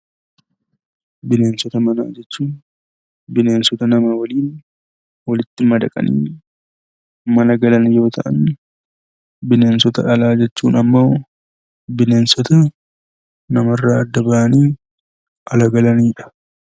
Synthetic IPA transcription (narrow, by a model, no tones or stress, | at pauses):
bɪne̞ːnsɔt̪ɐmɐna̰ːd͡ʒɛt͡ʃːuːn | bɪne̞ːnsɔt̪ɐnɐmɐwɐliːn | wɐlɪt̪ːɪmɐd̪ɐ̰kʼɐ̰nḭː | mɐnɐɡɐlɐnjo̞ːt̪ʰɐʔɐ̰nː | bɪne̞ːnsɔt̪ɐʔɐlaːd͡ʒɛt͡ʃːṵːnɐmːo̞ː | bɪne̞ːnsɔt̪ɐ | nɐmɐrːaːɐd̪ːɐbaːʔɐniː | ʔɐlɐɡɐlɐniːᶑɐ̥